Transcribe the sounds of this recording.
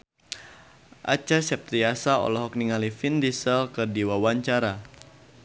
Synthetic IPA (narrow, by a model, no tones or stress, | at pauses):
ʔa̰t͡ʃasɛp̚t̪ɾiasaɔ̰lɔɦɔk̚niŋalifindisəlkɨrdiwawaɲt͡ʃaɾa